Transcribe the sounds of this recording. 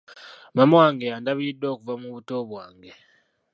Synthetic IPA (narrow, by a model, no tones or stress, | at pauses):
mamaŋɡeandaβujidoːkuvamuβutoβwaːŋɡe